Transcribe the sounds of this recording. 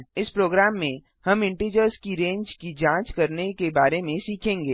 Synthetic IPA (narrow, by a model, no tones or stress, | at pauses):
ɪspɾoːɡɾaːmːẽ | hɐmɪ̃ɳʈiːd͡ʒəɾskiɾẽːɲd͡ʒkid͡ʒãːt͡ʃkɐɾnekebaːɾemẽsiːkʰẽːŋɡeː